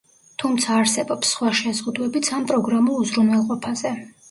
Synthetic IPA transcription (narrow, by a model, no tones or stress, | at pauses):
t̪ʰumt̪sʰaːɾsɛbɔpsːχwaʃɛzʁud̪wɛbit̪sʰampʼɾɔɡɾamɔuzɾunwɛlˠqʼɔpʰazɛ